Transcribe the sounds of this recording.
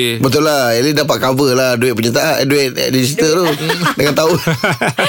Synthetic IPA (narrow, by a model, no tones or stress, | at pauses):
bət̪̬ʊlːaelidapaʔ̪̚kavəladuwɛʔ̪̚pəɲat̪aʔaʔduɛʔ̪̚dis̬it̪ət̪udəŋant̪au